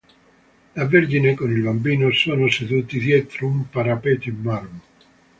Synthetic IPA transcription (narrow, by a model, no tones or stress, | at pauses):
lavːeɾd͡ʒinekonilbambiːnosoːnoseðuːt̪id̪jɛːt̪ɾoumpaɾapet̪imːarmo